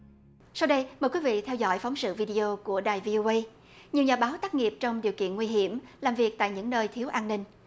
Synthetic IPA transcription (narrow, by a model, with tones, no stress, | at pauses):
sa˧wɗə˧jməː˨˩kwi˨˦vḭ˧˨t̪ʰɛ˧wzɔ̰˧˥jfa˨˦wŋ͡msɨ̰˧˨vi˧ɗi˧ʔo˧ku˧˩əɗaː˨˩jvi˧ʔo˧ʔə˧j | ɲi˨˩əwɲaː˨˩ɓaː˨˦wt̪aː˦˥k̚ŋi˨˩p̚t͡ɕɔ˧wŋ͡mɗi˨˩əwkḭ˧˨ənŋwi˧ɦi˧˩əmlaː˨˩mvi˨˩ək̚t̪a̰ː˧˨jɲɨ̰˧˥ŋnəː˧jt̪ʰi˨˦əwʔaː˧nːï˧ŋ̟